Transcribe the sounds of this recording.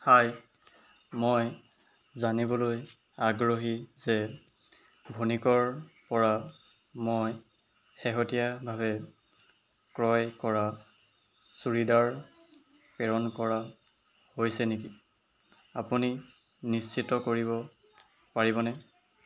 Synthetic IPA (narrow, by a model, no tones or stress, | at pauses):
haj | moj | zanibɔloj | aɡɹoɦizɛ | bʱonikɔɹpɔɹa | moj | xɛɦotijabʱabɛ | kɹɔjkɔɹa | suɹidaɹ | pɛɹɔnkɔɹa | hojsɛniki | apuni | nist͡ʃitɔkoɹibɔ | paɹibɔnɛ